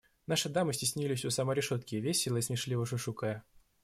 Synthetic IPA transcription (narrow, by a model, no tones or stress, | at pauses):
naʂɨd̪amɨsʲtʲɪsʲnʲilʲɪsʲʊsaməɾʲɪʂot̪kʲɪvʲesʲɪlˠəismʲɪʂlʲivəʂʊʂukəjə